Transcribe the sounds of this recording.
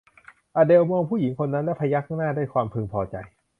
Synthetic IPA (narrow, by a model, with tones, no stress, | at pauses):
ʔaː˧de˧wmɔː˧ŋpʰuː˥˩ji˩˦ŋkʰo˧nːa˦˥nlɛ˦˥pʰa˧ja˦˥k̚ʰa˥˩ŋnaː˥˩daː˥˩jkʰwaː˧mpʰɯː˧ŋpʰɔː˧t͡ɕa̰˧j